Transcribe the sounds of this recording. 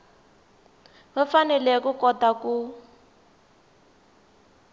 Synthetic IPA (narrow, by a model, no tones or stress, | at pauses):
βafanɛlɛkukɔtaku